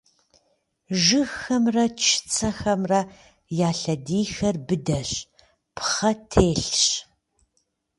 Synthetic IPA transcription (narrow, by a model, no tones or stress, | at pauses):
ʒɨxɐmrɐt͡ʃʰɪ̥t͡sʰɐxɐmrɐ | jaːɬɐdiːxɐrbɨdɐɕ | pχɐtʰeːɬɕ